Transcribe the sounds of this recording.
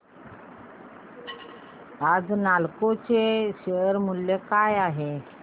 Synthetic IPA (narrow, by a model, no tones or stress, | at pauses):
ad͡znalkot͡seɕeəɾmuljekajaɦe